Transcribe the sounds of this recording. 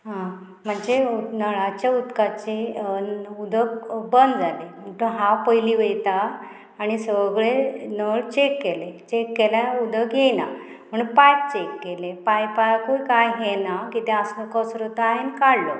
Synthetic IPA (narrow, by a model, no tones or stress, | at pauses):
ɦã | m̤əɳd͡zeunəɭat͡ɕjaut̪kat͡ɕe | ud̪əkbənd̪d͡zalem̤əɳʈ̪uɦawpəjliʋejt̪aː | ɽ̃isəʋəɡɭenəɭt͡ɕekːelet͡ɕekːeljãud̪əkjenam̤əɳpaj̚t͡ɕekːelepajpajkujkajɦenakit̪ẽasəkɔsɾot̪aɦenkaɽlo